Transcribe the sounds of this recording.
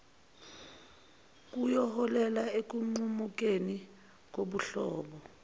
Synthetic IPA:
k̬ʼujɔhɔlɛlaek̬uŋ͡ǃumuk̬ʼeni | k̬oɓuɬɔːɓɔ

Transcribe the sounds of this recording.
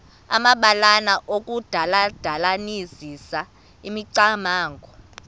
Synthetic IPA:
amaɓalanaʔokʼud̥ʱalad̥ʱalanizisa | imiǀamaːŋɡʱɔ

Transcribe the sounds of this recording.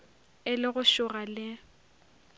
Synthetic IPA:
ɪlɪɣʊʃʊɣalɪ

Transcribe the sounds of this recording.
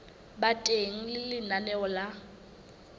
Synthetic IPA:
batʼeŋ̩lɪlɪnanɛɔla

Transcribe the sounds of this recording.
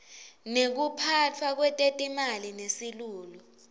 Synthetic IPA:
nek̬upʰat͡fʰwak̬wɛtʼetʼimalinesiluːlɔ

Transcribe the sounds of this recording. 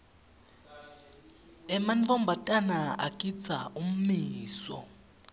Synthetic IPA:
ɛmanvɔmbʱatʼanaa̰kʼit͡sʰaʔum̩miːsɔ̰

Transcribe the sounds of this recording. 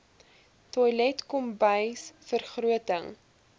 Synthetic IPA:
tɔjlɛtkɔmbəjsfərχruətəŋ

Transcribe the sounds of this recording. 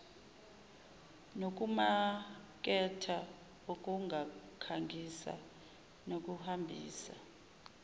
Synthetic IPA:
nok̬ʼumak̬ʼɛtʰa | ok̬ʼuŋɡʱakʰaŋɡʱisa̰ | nok̬ʼuhambʱḭːsa

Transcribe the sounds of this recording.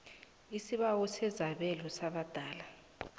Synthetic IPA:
isiɓawɔsɛzaɓɛlɔsaɓad̥ʱaːla

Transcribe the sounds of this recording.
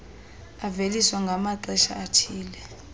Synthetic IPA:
aveliswaŋɡʱamaǀɛʃa̰atʰiːlɛ

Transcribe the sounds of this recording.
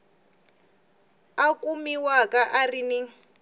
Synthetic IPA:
akumiwakaʔarini

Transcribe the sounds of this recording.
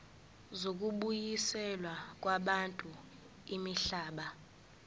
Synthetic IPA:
zok̬ʼuɓujisɛlwak̬ʼwaɓantʼu | imiɬaːɓa

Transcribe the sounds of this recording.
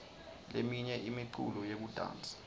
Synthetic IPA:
lemiɲɛʔimiǃʰṵlɔjek̬ud̥ʱa̰ːnt͡sʼḁ

